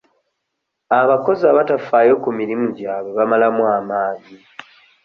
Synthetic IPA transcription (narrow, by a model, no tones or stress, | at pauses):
aβako̞zaβatafaːjo̞kumiɾimuɟaːβwe̞βamalamwamaːɲi